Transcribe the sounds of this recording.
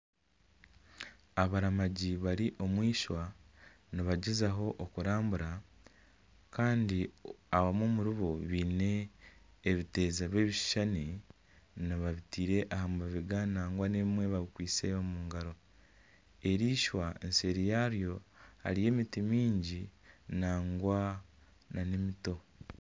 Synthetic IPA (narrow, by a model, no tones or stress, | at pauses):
aβaɾamaɟiβaɾiʔo̞mwiːʃwa | niβaɟezaɦo̞ʔokuɾaːmbuɾa | kaːndiaβamoːmuɾiβoβiːne̞ː | βite̞ːzaβe̞ːβiʃʃani | niβaβitiːɾe̞ʔahamuaβiɡanaːŋɡwaneβimwe̞βaβikwiːt͡seomuːŋɡaɾo̞ | e̞ɾiːʃwaḛnse̞ɾijaɾjo̞ha̰ɾije̞ːmitimiːɲɟinaːŋɡwa | nanemito̞